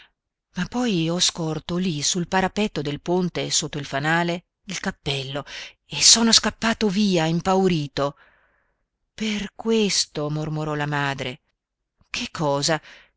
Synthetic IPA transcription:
mapːɔjɔskɔrt̪olisulpaɾapɛt̪ːod̪elpont̪esot̪ːoilfanaːle | ilkapːɛlːo | esoːnoskapːaːt̪oviːaimpawɾiːt̪o | perkwest̪omormoɾɔlamaːd̪ɾe | kʰekʰːɔːza

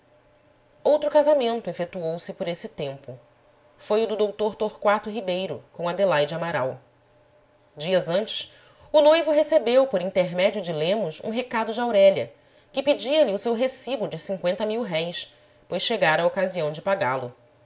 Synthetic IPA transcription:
owt̪ɾʊkazamẽnt̪ʊefet̪uowsɪpoɾesɪt̪ẽmpʊ | fojʊd̪ʊd̪owt̪oɾt̪oɾkwat̪ʊɦibejɾʊ̰kõw̃ɐd̪elajd͡ʒɪamaɾaw | d͡ʒiɐzɐ̃nt͡ʃɪʃ | ʊlojvʊɦesebewpoɾĩnt̪eɾmɛd͡ʒiʊd͡ʒɪlẽmʊsṵ̃ɦekad̪ʊd͡ʒɪawɾɛʎɐ | kɪpɪd͡ʒiɐlɪʊsewɦesibʊd͡ʒɪsĩŋkwẽnt̪ɐmiwɦɛjs | pojʃʃeɡaɾɐokaziɐ̃w̃d͡ʒɪpaɡalʊ

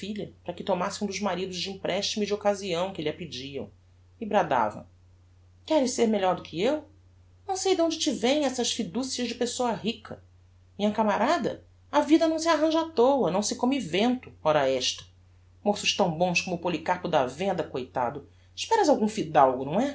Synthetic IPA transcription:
fiʎɐpɾɐkɪt̪omasɪ̃ũd̪ʊʒmaɾid̪ʊʒd͡ʒĩpɾʔɛʃt͡ʃimʊd͡ʒɪokaziɐ̃w̃kɪlɪɐpid͡ʒiɐ̰̃w̃ | ibɾad̪a̰vɐ̰̃ | kɛɾɪseɾmeʎɔɾd̪ʊkʰɪew | nɐ̃w̃sejd̪õnd͡ʒɪt͡ʃivẽj̃ɛsɐʃfid̪usiɐʒd͡ʒɪpesoɐɦikʰɐ | mĩɲɐkamaɾad̪ɐ̰ | ɐvid̪ɐnɐ̃w̃s̬iaɦɐ̃ʒat̪owɐnɐ̃w̃sɪkõmivẽnt̪ʊ̥ɔɾɐɛʃt̪ɐ̥ | mosʊʃt̪ɐ̃w̃bõskomʊpolikapʊd̪ɐvẽnd̪ɐkojt̪a̰d̪ʊ | ɪʃpɛɾɐzawɡũfid̪awɡʊnɐ̃w̃ɛ

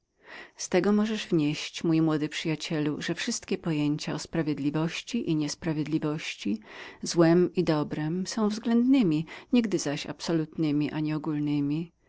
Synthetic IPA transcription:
st̪ɛɡɔmɔʐɛʐvɲeɕt͡ɕmujmwɔd̪ɘpʂɘjat͡ɕɛlṵʐɛfʂɘst̪kʲɛpɔjeɲt͡ɕaɔspɾavʲjed̪lʲivɔɕt͡ɕiʔiɲɛspɾavʲjed̪lʲivɔɕt͡ɕizwɛmid̪ɔbɾɛmsɔ̃w̃vzɡlɛnd̪nɘmʲiɲiɡd̪ɘzaɕa̰psɔlut̪nɘmʲiʔaɲɛɔɡulnɘmʲi

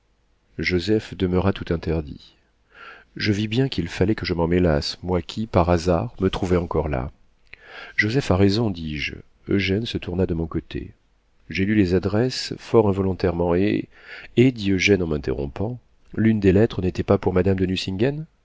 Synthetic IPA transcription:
ʒozɛfd̪əməʁat̪ut̪ɛ̃t̪ɛʁd̪ḭ | ʒəvibjɛ̃kʲilfalɛkəʒəmɑ̃mela̰smwakʲʰipaʁazaʁmət̪χuvɛɑ̃kɔʁla̰ | ʒozɛfaʁezɔ̃d̪iʒ | ø̰ʒɛnsət̪uʁnad̪əmɔ̃kɔt̪ʰḛ | ʒelylezad̪ʁɛsfɔʁɛ̃vɔlɔ̃t̪ɛʁmɑ̃ḛ | ed̪iøʒɛnɑ̃mɛ̃t̪ḛʁɔ̰̃pɑ̃ | lynd̪elɛt̪χənet̪ɛpapuʁmad̪amd̪ənysĩŋɡan

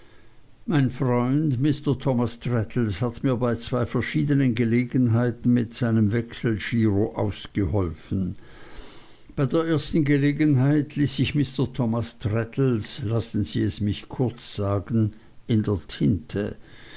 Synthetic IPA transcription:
maɪnfʁɔʏndmɪstɐtʰɔmastʁ̥ɛtʰl̩shatmiːɐbaɪt͡sv̥aɪfɛɐʃiːdənənɡəleːɡənɦaɪtn̩mɪtz̥aɪnəmvɛksl̩ʃiːʁoʔa̰ʊsɡ̥əhɔlfn̩ | b̥aɪdeːɐʔeːɐstn̩ɡəleːɡənɦaɪtʰliːsɪçmɪstɐtʰɔmastʁ̥ɛtʰl̩slasn̩zḭːɛsmɪçkʰʊɐt͡sz̥aːɡən | ɪndeːɐtʰɪntʰə

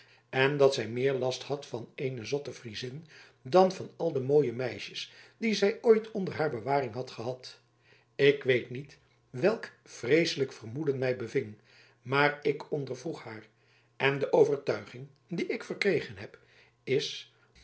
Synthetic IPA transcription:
ɛndɑtsɛjmɪːɹlɑsthɑtfɑnejnəzɔtəfrizɪn | dɑnvɑnɑlˠdəmoːjəmɛjʃəsd̥izɛjojtʰɔndəɹɦaːɹbəʋaːrɪŋɦɑtχəɦɑt | ɪkʋejtnit | ʋɛlˠk | frejsələkfərmudənmɛjbəvɪŋ | maːrɪkɔndəɹvruχhaːr | ʔɛndəʔowvəɹtœɥχɪŋ | diʔɪkfərkrejχənɦɛp | ɪs

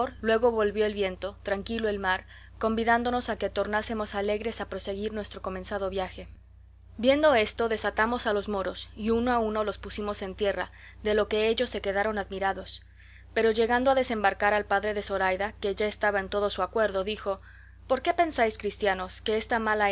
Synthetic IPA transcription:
ɾlwe̞ɣo̞βo̞lβjo̞elβje̞nt̪o̞t̪ɾaŋkilo̞e̞lmaɾ | ko̞mbiðand̪o̞no̞sake̞t̪o̞ɾnase̞mo̞sale̞ɣɾe̞sapɾo̞se̞ɣiɾnwest̪ɾo̞ko̞mẽ̞nsaðo̞βjaxe̞ | bje̞nd̪o̞e̞st̪o̞ðe̞sat̪amo̞salo̞zmo̞ɾosiunoauno̞lospusimo̞se̞nt̪je̞ra | ðe̞lo̞ke̞eʝo̞sːe̞ke̞ðaɾo̞naðmiɾaðo̞s | pe̞ɾo̞ʝe̞ɣand̪oaðe̞se̞mbaɾkaɾalpaðɾe̞ðeso̞ɾajðake̞ʝaest̪aβaent̪o̞ðo̞suakwe̞ɾðo̞ðixo̞ | po̞ɾke̞pe̞nsajskɾist̪jano̞ske̞est̪amala

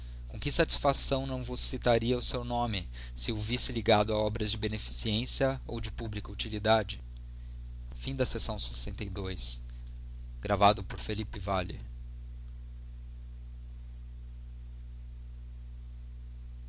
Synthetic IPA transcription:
kõkɪsat͡ʃi̥sfasɐ̃w̃nɐ̃w̃vʊsːit̪aɾiɐʊsewnõmɪ | sɪovisɪliɡad̪ʊaɔbɾɐzd͡ʒɪbenefi̥siẽsiɐo̰wd͡ʒɪpublikɐut͡ʃilid̪ad͡ʒɪ | fĩd̪ɐsesɐ̃w̃se̥sẽnt̪ejd̪ojs | ɡɾavad̪ʊpoɾfelipɪvalɪ̰

